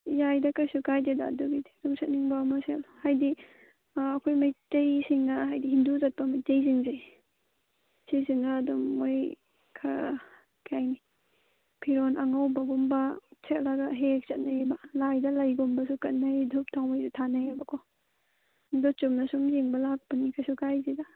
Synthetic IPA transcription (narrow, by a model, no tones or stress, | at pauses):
jajdɐkajsukajdida̰duɡididumsɐt̚niŋbamaselhajdiː | kʰojmajtejsiŋːaɦajdiɦinduzɐt̚pɐmajtejziŋzej | siziŋaːdumoj | kʰa | kʰajni | pʰiɾonʔaŋawbɐɡumbasʰetlaɡaɦek̚sɐt̚najbalajdɐlajɡumbɐsukɐt̚najdʱup̚tʰawmajzutʰanajabɐkʰɔ | ndɔt͡ʃumnɐsumziŋbɐlak̚panikʰajsukajzida